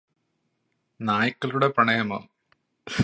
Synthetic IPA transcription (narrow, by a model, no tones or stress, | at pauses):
naːjikːɐluɽe̞prɐɳɐjɐmoː